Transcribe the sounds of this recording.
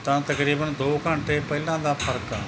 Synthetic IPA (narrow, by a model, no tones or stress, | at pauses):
t̪ãːt̪ɐkɾiːbənd̪oːkə̃ɳʈepɐɦɪlãːd̪aːfʰəɾkaː